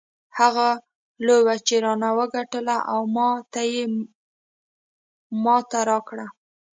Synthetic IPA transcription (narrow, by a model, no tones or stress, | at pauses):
haɣa | lobat͡ʃeɾɑnawəɡaʈəlaʔawmɑt̪aje | mɑt̪aɾɑkɽa